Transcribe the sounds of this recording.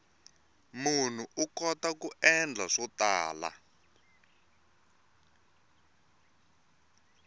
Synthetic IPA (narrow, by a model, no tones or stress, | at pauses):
mun̤uʔukɔtakuʔɛnd͡ɮʱaʂɔtaːla̰